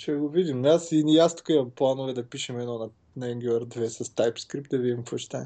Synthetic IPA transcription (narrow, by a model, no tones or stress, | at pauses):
ʃɛɡovid̪imasiniast̪u̥kɐimɐmplˠanovɛd̪ɐpiʃɛmɛd̪nɔnɐ | nɐɛŋɡʲuɛɾd̪vɛsɐst̪ajpskɾip̪̚d̪ɐvid̪ʲimkvot͡ʃi̥t̪a